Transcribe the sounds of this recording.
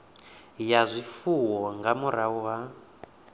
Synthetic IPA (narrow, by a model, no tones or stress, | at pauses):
jazʷifuwɔŋɡamuɾawa